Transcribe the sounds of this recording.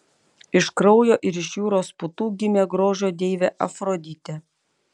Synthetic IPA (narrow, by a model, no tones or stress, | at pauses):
ɪʃkɾɔʊjoːʔɪɾɪʃjuːɾoːspʊt̪uːɡʲɪmʲeːɡɾoːʒʲoːd̪ʲeːʋʲeːʔɐfɾod̪ʲɪt̪ʲɛ